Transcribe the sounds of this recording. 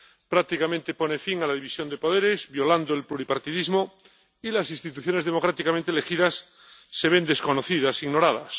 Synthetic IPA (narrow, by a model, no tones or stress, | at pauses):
pɾak̚t̪ikamẽnt̪e̞po̞nefiŋalaðiβisjo̞nd̪e̞po̞ðeɾezbjo̞land̪oelpluɾipaɾt̪iðizmo | ilasinst̪it̪uθjo̞neðemo̞kɾat̪ikamẽnt̪elexiðasː | e̞βe̞nd̪e̞sko̞noθiðasiɣno̞ɾaða̰s